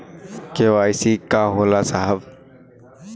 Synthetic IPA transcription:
keʋaːjsikaɦoːlasaɦəb

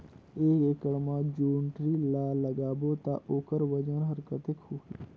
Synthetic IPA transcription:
eːeːkəɽmãːd͡ʒuːɳʈɾiːlaːləɡaːboːt̪a̰ːʔoːkəɾʋəd͡ʒənɦəɾkət̪ekhoːiː

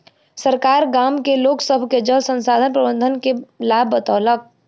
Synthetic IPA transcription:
səɾkaːɾɡaːmkeloːksəbʱked͡ʒəlsə̃nsaːd̪ʱənpɾəbə̃nd̪ʱənkelaːbʱːət̪ɔːlək̚

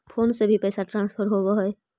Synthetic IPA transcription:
pʰoːnsebʱipɛːsaʈɾãːnspʰəɾɦoboɦɔe

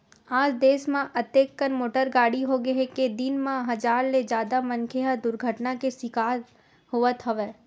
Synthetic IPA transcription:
aːd͡ʒd̪eːsmãʔɐt̪eːkːənmoːʈəɾɡaːɽiɦoɡɐɦeked̪ɪnmãɦɐd͡ʒaːɾled͡ʒaːd̪amɐ̃nkʰeɦad̪ʊɾɡʱəʈnakesɪkaːɾ | ɦoʋət̪ɦɐʋeː

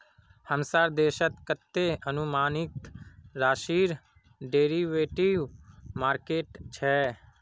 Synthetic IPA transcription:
həmsaːɾd̪eːʃət̪kət̪ːeənʊmaːnɪkɾaːʃiːɾ | ɖeːɾiʋeːʈiʋmaːɾkeːʈt͡ʃʰɛː

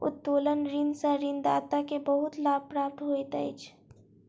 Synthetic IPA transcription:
ʊ̰t̪ːoːlənɾinsəɾind̪aːt̪akebəɦʊt̪laːb̚pɾaːp̚t̪ɦoːit̪əɪt͡ʃʰ

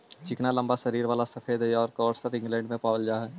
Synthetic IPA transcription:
t͡ʃɪknalɐ̃mbaʃɐɾiːɾʋaːlasɐfʰeːd̪ɦɛɔːɾkɔːʈsəɾɪ̃ŋɡlɛ̃ːɳɖmẽpaːʋəld͡ʒaːɦɛː

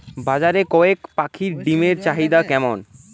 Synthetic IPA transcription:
bad͡ʑaɾekɔekpakʰiɾɖimeɾt͡ɕaɦid̪akɛmon

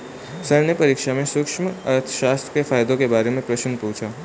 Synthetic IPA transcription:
səɾnjəpəɾikʃamẽsʊkʃmət̪ʰʃast̪ɾəkefajd̪okebaɾemẽpɾəʃənpuɦũt͡ʃʰa

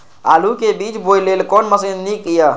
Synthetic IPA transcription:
a̰lukebit͡ʃbojlelkɔnməsennikija

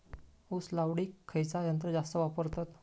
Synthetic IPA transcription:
uslawɽiːkʰːəjt͡sajənt̪ɾəd͡zast̪əʋapəɾt̪at̪

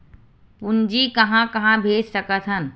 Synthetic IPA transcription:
ʊnd͡ʒikɐɦãkɐɦãbʱeːd͡ʒsəkət̪ʰɦən

